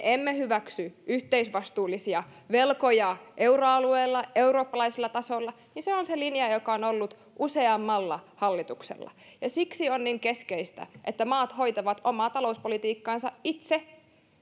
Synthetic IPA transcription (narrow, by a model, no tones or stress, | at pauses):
eʔemːehyʋæksyʔyht̪eisʋɑst̪uːlːisiɑʋelkojɑʔeuroɑlueːlːɑeuro̞ːpːɑlɑiselːɑt̪ɑsolːɑ | niseonselinjɑjokɑonolːut̪ | ʔuseɑmːɑlːɑhɑlːit̪uksḛlːɑ̰jɑsiksionniŋkeskeist̪æ̰ʔḛt̪ːæmɑːt̪ho̞it̪ɑʋɑt̪omɑːt̪ɑlouspolit̪iːkːɑːnsɑʔʔit̪se